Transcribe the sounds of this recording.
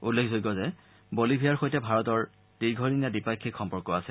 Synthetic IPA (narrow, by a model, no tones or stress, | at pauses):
ulːekʰzoɡɡɔzɛ | bolibʱijaɹxojtɛbʱaɹɔtɔɹ | diɡʱɔɹinjadipakʰːixʰɔmpɔɹkɔasɛ